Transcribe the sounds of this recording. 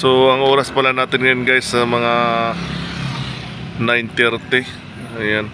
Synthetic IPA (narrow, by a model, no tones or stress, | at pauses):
soɐŋʔoːɾɐspɐlanaːt̪ɪnŋɐjonɡajsːɐmɐŋa | najnt̪ɛɾt̪ɪ | ɐjan